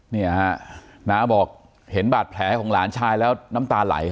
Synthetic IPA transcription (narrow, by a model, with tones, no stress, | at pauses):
ni˥˩ɐna˦˥bɔː˨˩k̚ | he˩˦nbaː˨˩t̪̚pʰlɛː˨˩˦kʰɔ˩˦ŋlaː˩˦nt͡ɕʰaː˧jlɛː˦˥wna˦˥mt̪aː˧la̰˩˦j